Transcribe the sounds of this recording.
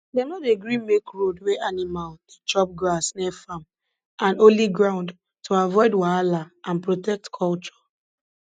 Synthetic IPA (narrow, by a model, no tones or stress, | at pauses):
dɛnɔteɡɹĩmekɹodweʔanimald̥et͡ʃɔp̚ɡasnɛfãm | ʔãnoliɡɹãʊ̃nd | toavɔɪdwaalaãnpɹotɛk̚tkʰɔlt͡ʃɔ̥